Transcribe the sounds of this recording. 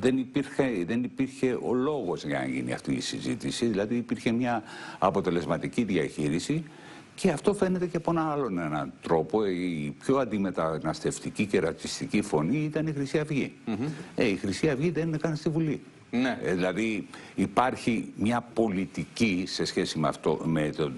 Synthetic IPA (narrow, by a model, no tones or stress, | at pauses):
ðe̞nipiɾxeðe̞nipiɾçe̞ʔo̞̰lo̞ɣo̞zʝɐ̰ɐ̰ʝḭnḭɐ̰ft̪ḭːsḭzit̪isiðilɐðiːpiɾçe̞mɲɐɐpo̞t̪e̞le̞zmɐt̪iciðiɐçiɾisi | ce̞ɐft̪o̞fe̞ne̞t̪e̞cepoenɐɐlo̞ne̞nɐ̰t̪ɾo̞po̞ipço̞ɐnd̪ime̞t̪ɐnɐst̪e̞ft̪icice̞ɾɐt͡s̪ist̪icifo̞niit̪ɐnixɾisiɐvʝi | eixɾisiɐvʝiðeninkɐnst̪ivuli | nðilɐðiː | pɐɾçimɲɐpo̞lit̪icise̞sçe̞simɐft̪o̰met̪o